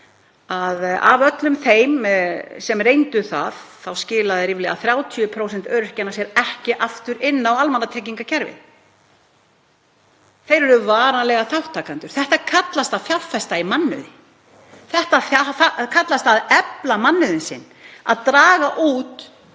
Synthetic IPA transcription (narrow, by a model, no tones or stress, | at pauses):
aða̰vœt̪lʏmθejmsɛmrejnt̪ʏθa̰ðθawscɪːlaðɪɾiːvlɛɣa̰θɾjawt̪ʰiʏpʰɾowsɛnt̪œːɾʏr̥cɛnasjɛɾɛhcɪʔaft̪ʏɾɪnːawalmanːat̪ʰɾɛːc̬iŋkacʰɛɾvɪ̰ð | θejɾɛɾʏvaːɾanlɛɣaθawht̪ʰːaːkant̪ʏɾ̥θɛht̪akʰat̪last̪aθjalfɛst̪aimanːʏ̰ðɪ | θɛht̪aθaakʰat̪last̪aðɛplamanːʏðɪnsɪ̰nː | a̰ðt̪ɾaːɣaʔuːt̪